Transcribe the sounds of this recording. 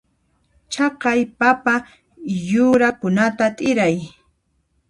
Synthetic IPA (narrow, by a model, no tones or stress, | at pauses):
t͡ʃɑqɑjpapa | jʊɾakʊnat̪at̪ʼɪɾaj